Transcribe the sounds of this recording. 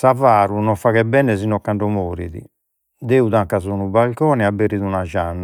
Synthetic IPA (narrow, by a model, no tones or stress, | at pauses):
savaːɾunɔfaɣɛbɛnɛzinːɔkːaɳɖɔmoːɾiðḭ | d̪eːuðaŋkazɔnubalkɔːnɛabːeɾiðunaʒanːa